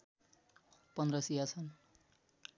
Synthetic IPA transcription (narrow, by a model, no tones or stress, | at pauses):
pʌnd̪rʌsijat͡sʰʌn